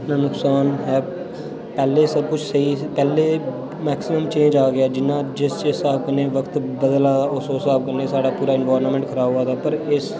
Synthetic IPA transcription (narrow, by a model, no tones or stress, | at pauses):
naːnʊksaːnɦɛː | pɛːleːsəb̚kʊt͡ʃʰsəiːpɛːleː | mɛːksɪməmt͡ʃẽːɲd͡ʒaːɡɪaːd͡ʒɪnːãːd͡ʒɪst͡ʃesaːb̚kəneːʋəkʰt̪bəd̪əlaːʊsoːsaːb̚kəneːsaːɖaːpuːɾaːɪnʋaːɾnmɛ̃ːɳʈkʰəɾaːɦoːaːt̪aːpəɾɪs